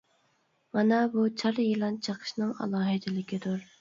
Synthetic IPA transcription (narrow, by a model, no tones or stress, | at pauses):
mɑnɛbut͡ʃʰɑɾjilˠɑnt͡ʃʰəqʰə̥ʃnɨŋɑ̰lˠɑːɦɪd̪ɪlɪkʲʰid̪uɾ